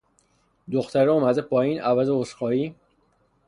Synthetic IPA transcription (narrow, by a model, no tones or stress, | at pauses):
d̪oxt̪æɾeoːmæd̪epʰɒːjiːnʔævæzeoʃxɒːiː